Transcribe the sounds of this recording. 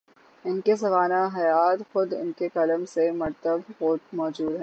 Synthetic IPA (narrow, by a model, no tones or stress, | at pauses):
ɪnkesɐʋaːnaɦɐjaːt̪xʊd̪ɪ̰nkekɐləmsemɐɾt̪əbomɔːd͡ʒuːd̪ɦɛ̃ː